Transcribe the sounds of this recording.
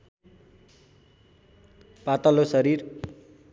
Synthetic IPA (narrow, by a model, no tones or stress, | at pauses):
pat̪ʌlosʌɾir